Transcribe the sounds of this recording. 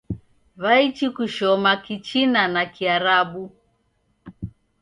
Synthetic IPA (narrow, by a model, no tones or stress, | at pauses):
βait͡ʃikuʃɔmakit͡ʃinanakiaɾaɓu